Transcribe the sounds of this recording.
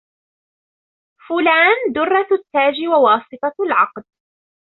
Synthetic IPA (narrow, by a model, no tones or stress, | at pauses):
fʊlaːnd̪ʊrˤːɑt̪ːaːd͡ʒɪwawɑːsˤɨt̪ˤɑlʕɑqd̪